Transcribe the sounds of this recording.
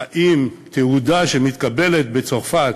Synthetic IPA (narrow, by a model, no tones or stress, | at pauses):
ʔimt̪ehud̪aʃemit̪kabe̞let̪̚bet͡so̞ʁfat